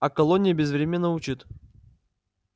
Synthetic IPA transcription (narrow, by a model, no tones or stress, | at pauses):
ɐkɐlˠonʲɪjəbʲɪzvɾʲemʲɪnːəʊt͡ɕit̪